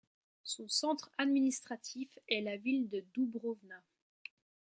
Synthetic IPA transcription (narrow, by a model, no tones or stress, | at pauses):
sɔ̃sɑ̃t̪χad̪minist̪χat̪ʰifɛlavild̪əd̪ubʁovna